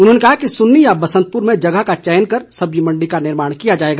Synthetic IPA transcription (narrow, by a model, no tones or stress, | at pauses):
ʊnɦonekɐɦakisʊnːijabɐsə̃nt̪̚pʊɾmẽd͡ʒɐɡəɦkat͡ʃɛːnkəɾsɐbd͡ʒimɐ̃ɳɖikanɪɾmaːɽ̃kijad͡ʒaːeːɡa